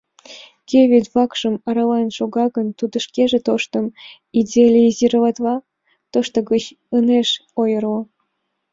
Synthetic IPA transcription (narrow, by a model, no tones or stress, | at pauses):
kʲeβʲed̪βɑkʃə̆mɑɾɑlɑnʃoɣɑɣənt̪ud̪əʃkeʒet̪oʃt̪əm | idʲelʲeiziɾəlɑt̪βɑ | t̪oʃt̪oɣət͡ɕ | əneʃojərlo